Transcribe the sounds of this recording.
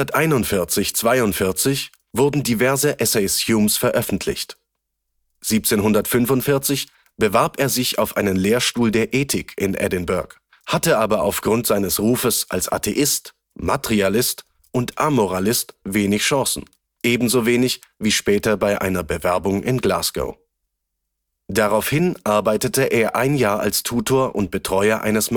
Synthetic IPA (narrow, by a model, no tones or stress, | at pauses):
tʔaɪnʊntfɪɐt͡sɪçt͡sv̥aɪʊntfɪɐt͡sɪç | v̥ʊɐdn̩divɛɐzəʔɛsɛɪsjumsfɛɐʔœfn̩tʰlɪ̰çt | z̥iːp̚t͡seːnɦʊndɐtfʏnfʊntfɪɐt͡sɪç | b̥əvaɐpeːɐzɪça̰ʊfʔaɪnənleːɐʃtuːldeːɐʔeːtʰɪkʰɪnʔɛ̰dɪnbœɐk | hatəʔaːbɐa̰ʊfɡ̥ʁʊntz̥aɪnəsʁuːfəsʔa̰lsʔa̰tʰeʔɪst | matʁialɪst | ʔʊntʔamɔʁalɪstveːnɪçʃɑ̃sn̩ | ʔeːbm̩zoveːnɪç | viːʃpɛːtɐbaɪʔa̰ɪnɐbəvɛɐbʊŋʔɪ̰nɡla̰ːsɡ̥o̰ʊ | d̥aʁaʊfhɪnʔaɐbaɪtətəʔeːɐʔaɪnjaːa̰lstʰuːtʰoːɐʔʊnt̚b̥ətʁ̥ɔʏɐʔa̰ɪnəsm